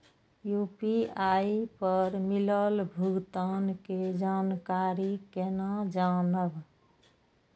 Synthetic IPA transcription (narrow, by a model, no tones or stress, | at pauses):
jupiaipəɾmiləlbʱuɡt̪aːnked͡ʒaːnkaːɾikenad͡ʒanəb